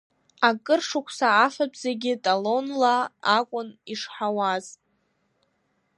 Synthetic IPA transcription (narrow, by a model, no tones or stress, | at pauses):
akʼɨrʂʊkʷʰsaːfabzeɡʲɪtʼalo̞nlaːkʷʼʊniʂħawaz